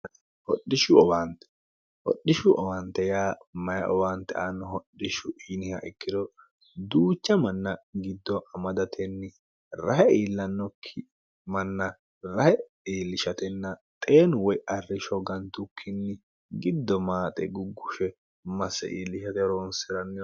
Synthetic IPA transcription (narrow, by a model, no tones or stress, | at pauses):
hɔɗːɪʃʊɔbaːnt̪ɛ̥ | hɔ̰ɗːɪʃʊʔɔbant̪ːɛjaːmɐjɐʔɔbaːnt̪ɛ̰ʔɐnːɔhɔɗːɪʃʊʔiːnɪhɐ̰ʔɪkːɪd̪ɔ | d̪uːt͡ʃːɐmɐnːɐɡɪd̪ːɔʔɐmɐd̪ɐt̪ʰɛnːɪ | ɾɐhɛiːlːɐnːɔkʰːɪ | mɐnːɐ | ɾɐhɛ | iːlːɪʃɐt̪ɛnːɐt̪ʼeːnʊwɔjɐrːɪʃɔɡɐnt̪ʊkʰːɪnːɪ | ɡɪd̪ːɔmaːt̪ʼɛ̰ɡʊɡːʊʃɛ | mɐsːɛ̰ʔiːlːɪʃɐt̪ɛɾoːnsɪɾɐnːɪ